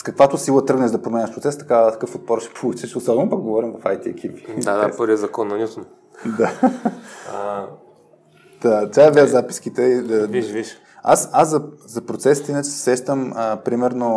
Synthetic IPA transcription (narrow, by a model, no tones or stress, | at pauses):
skɐkvat̪ʊsilˠət̪ɤəɡnɛʒd̪ɐpɾomɛnʲɐʃpɾtsɛst̪ɐ̥kat̪ɐkɤfot̪̚pɔɾʃɛ̥pʰolˠut͡ʃɛʃosɔbɛnopɐkɡovɔɾimvɐfajt̪iɛkʰivi̥d̪ad̪apəɾviɛzɐkɔnːɐnʲut̪n | d̪a | t̪at̪ʲaɐvʲazapi̥skit̪ɛid̪ɐʒiʃ | a̰sazzɐzɐpɾot̪sɛsi̥t̪inɐt͡ʃɛ̥sɛ̥sɛʃt̪əməpɾimɛɾno